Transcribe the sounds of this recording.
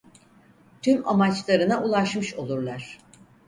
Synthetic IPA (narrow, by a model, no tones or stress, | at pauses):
t̪ʰymamat͡ʃlˠaɾɯnaʔulˠaʃmɯʃo̞lˠuɾlˠaɾ̥